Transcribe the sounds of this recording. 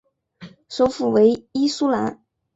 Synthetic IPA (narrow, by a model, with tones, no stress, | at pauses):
ʂo˧˥ʊfu˨˩we˧˥ɪi˥su˥la˧˥n